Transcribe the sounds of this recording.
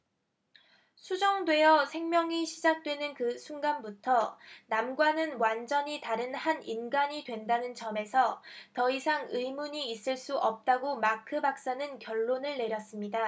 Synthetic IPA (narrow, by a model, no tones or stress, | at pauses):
sʰud͡ʑʌŋdwe̞jʌsʰe̞ŋmjʌŋiɕʰid͡ʑak̚t͈we̞nɯnkɯsʰunɡanbutʰʌnamɡwanɯnwand͡ʑʌɲitaɾɯnhaninɡaɲidwe̞ndanɯnt͡ɕʌme̞sʰʌtʌisʰaŋɯjmuɲiːs͈ɯɭs͈uʔʌp̚t͈aɡomakʰɯbak̚s͈anɯnkjʌɭːonɯɭne̞ɾjʌs͈ɯmɲida